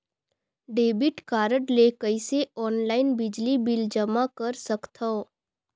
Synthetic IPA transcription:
ɖeːbɪʈkaːɾəʈlekəiseɔːnlaːɪnbɪd͡ʒlibɪld͡ʒɐmakɐɾsɐkt̪ʰa

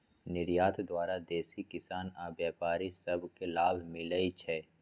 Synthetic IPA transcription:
nɪɾjaːt̪d̪waːɾad̪eːsikɪsaːnaːbjaːpaːɾisɐbʱkelaːbʱmɪləit͡ʃʰɛː

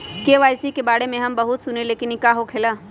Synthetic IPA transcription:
keːʋaːjsikebaːɽemẽɦɐmbɐɦʊt̪sʊneleːkɪnikaːɦokʰeːlaː

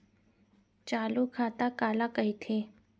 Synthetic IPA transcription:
t͡ʃaːlukʰaːt̪akaːlakɐit̪ʰeː

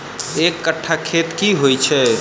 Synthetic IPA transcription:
ekːəʈʰːakʰet̪kiɦojt͡ʃʰɛ

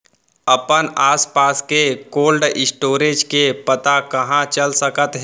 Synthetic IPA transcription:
ɐpənaːspaːskekoːlɖɪsʈoːɾeːd͡ʒkepət̪akɐɦãt͡ʃəlsəkət̪ɦɛ

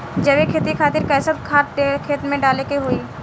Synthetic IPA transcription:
d͡ʒɐʋekʰeːt̪ikʰaːt̪ɪɾkɐːsət̪kʰaːekʰeːt̪mẽɖaːlekeɦoːiː

